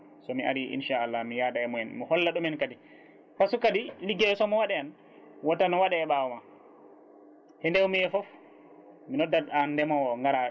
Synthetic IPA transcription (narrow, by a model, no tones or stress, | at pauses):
sɔmiʔa̰ɾiʔḭnʃaalːahmijaɗaɛmɔɛnmihɔlːaɗumɛnkadi | pasukadiliɡɛɛsɔmɔwaɗɛan | watːanɔwaɗɛːɓawɔma | hɛndɛwmiɛfɔf | minɔdːaandɛmawɔŋɡaɾa